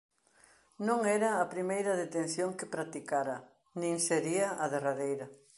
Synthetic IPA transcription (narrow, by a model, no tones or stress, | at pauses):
nõŋɛɾɐːpɾimejɾɐðet̪ẽn̟θjoŋkepɾat̪ikaɾɐ | nĩŋseɾiɐʔaðeraðejɾɐ